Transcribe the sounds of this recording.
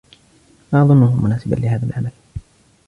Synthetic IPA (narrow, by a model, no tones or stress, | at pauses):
maʔɑðˤʊnːʊhʊmʊnaːsɪba̰nlɪhaːðalʕamal